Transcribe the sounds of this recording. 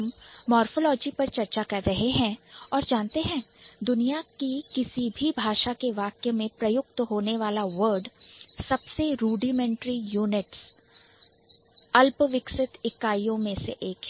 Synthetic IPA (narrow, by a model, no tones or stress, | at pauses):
mmɔːɾfolɔːd͡ʒipɐɾt͡ʃɐɾt͡ʃakɐɾːɐɦeɦɛ̃ːɔːɾd͡ʒãːnt̪eɦɛ̃ːd̪ʊnijakikɪsibʱibʱaːʃakeʋaːkjəmẽpɾɐjʊkt̪ɦoːneʋaːlaʋəɾɖsɐbseɾuːɖimɛ̃ɳʈɾijuːnɪʈs | ɐlpʋɪksɪt̪ɪkːaːijõmẽseʔeːkː